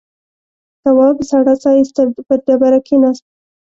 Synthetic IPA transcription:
t̪awɑbsaɽasɑjist̪apəd̪abaɾakenɑst̪

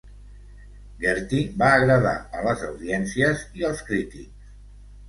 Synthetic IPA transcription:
ɡeɾt̪ibaːɣɾəða̰ə̰ləzəwðiɛnsiəziəlˠskɾit̪ḭks

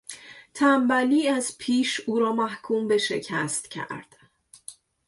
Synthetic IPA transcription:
t̪ʰæmbæliːæzpʰiːʃuːɾɒːmæhkʰuːmbe̞ʃḛcʰæst̪cʰæ̰ɾd̪̥

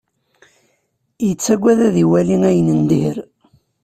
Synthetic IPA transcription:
jət͡sːæɡʷːæðæðiwæliŋæjənənd̪ihəɾ

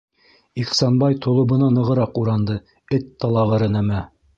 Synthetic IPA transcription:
iqsɑnbɑjt̪ʰŏlˠɤ̆βɤ̆nɑnɤ̆ʁɤ̆ɾɑquɾɑnd̪ɤ | ɘt̪ːɑlˠɑʁɤ̆ɾɤ̆næmæ

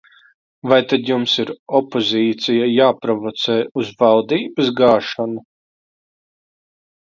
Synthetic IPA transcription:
vajt̪ad̪jumsiɾɔpozʲiːt̪sijajaːpɾɔvɔt̪sɛːuzvalˠd̪iːbɐsɡaːʃanu

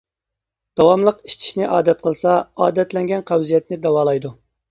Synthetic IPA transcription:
d̪̥ɑwɑmlˠəqi̥ʃt͡ʃʰi̥ʃnɪʔɑːd̪ɛt̪̚qʰəlˠsɑɑ̰ːd̪ɛt̪lɛŋɡʲɛnqʰæwzijɛt̪nɪd̪ɑwɑːlˠɑjd̪u

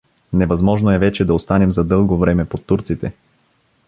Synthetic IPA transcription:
nɛvɐzmɔʒnoɛvɛt͡ʃɛd̪ɐost̪anɛmzɐd̪ɤlˠɡovɾɛmɛpot̪ːuɾt̪sit̪ɛ

